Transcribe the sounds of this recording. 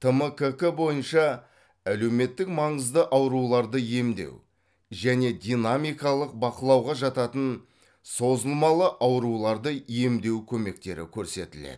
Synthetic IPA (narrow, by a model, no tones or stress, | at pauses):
t̪ʰəməkəkəbo̞jənʃɑ | æle̞wme̞t̪ːɪkmɑɴəzd̪əʔɑwɾulˠɑɾd̪əje̞md̪e̞̰w | ʒæne̞d̪ʲijnamijkɑlˠəq̚bɑqəlˠɑwʁɑʒɑt̪ɑt̪ən | so̞zəlˠmɑlˠəʔɑwɾulˠɑɾd̪əje̞md̪e̞wkʲʰɵme̞k̚t̪e̞̰ɾɪ̰kʲʰɵɾse̞t̪ɪlḛd̪ɪ